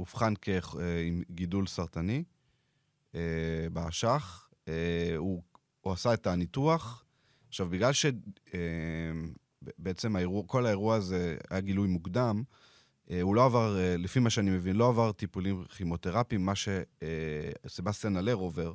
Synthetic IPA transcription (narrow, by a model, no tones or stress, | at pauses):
ufχanke̞χeimɡidulsaʁt̪ani | ebaaʃaχ | eu | asae̞tanituaχ | aχʃavbiɡlalʃe̞e | beet͡se̞maeʁuako̞laeʁuazea̰jaɡilujmuɡd̪am | eulo̞avaʁelefimaʃeanimevinlo̞avaʁt̪ipulimχimo̞t̪eʁapimːaʃe̞ | sebast̪janale̞ʁove̞ʁ